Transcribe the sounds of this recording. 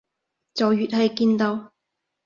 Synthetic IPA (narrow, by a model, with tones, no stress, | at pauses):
t͡sɐ˨wjyː˨t̚hɐ˨jkiː˧nt̪o˧w